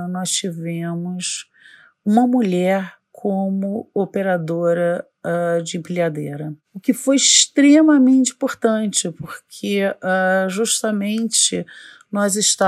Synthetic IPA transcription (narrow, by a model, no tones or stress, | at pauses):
nɔst͡ʃivẽmʊs | ũmɐmuʎɛɾ | kʰõmʊopeɾad̪oɾɐ | ad͡ʒɪẽpɾiad̪eɾɐ | ʊkɪfojɪʃt̪ɾemɐmẽnt͡ʃɪĩpoɾt̪ɐ̃t͡ʃɪpoɾkʰeaʒuʃt̪ɐmẽt͡ʃɪ | nɔzɪʃt̪a